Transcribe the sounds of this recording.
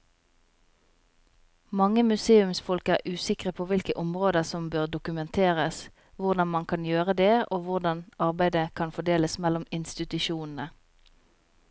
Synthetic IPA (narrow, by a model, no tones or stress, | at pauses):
mɑŋəmʉseːʉmsfɔlkæːʁʔʉːsɪkʁəpʰoːʋɪlkəʔɔmʁoːd̪əsɔmbøːʁd̪ʊkʉmɛnt̪ʰeːʁəs | ʋʊʁd̪ɑnmɑnkʰɑnjøːʁəd̪eːʔoːʋʊʁd̪ɑnɑʁbæɪd̪əkʰɑnfɔd̪eːləsmɛlɔmɪnst̪ɪt̪ʉʃuːnn̩ə